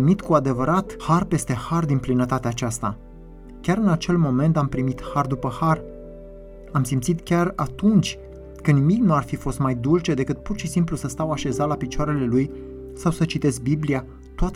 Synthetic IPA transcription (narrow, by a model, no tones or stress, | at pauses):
mit̪kuad̪e̞vəɾat̪harpe̞st̪e̞hard̪inplinət̪at̪eat͡ʃast̪a | kʲaɾɨnat͡ʃe̞lmo̞me̞nt̪ampɾimit̪hard̪upəhar | amsimt̪sit̪kʲarat̪unt͡ʃʲ | kənimiknuarfifo̞st̪majd̪ult͡ʃe̞d̪e̞kɨt̪̚purʃisimplusəst̪awaʃe̞zalapit͡ʃoaɾe̞le̞luj | sawsət͡ʃit̪e̞z̚biblia | t̪oat̪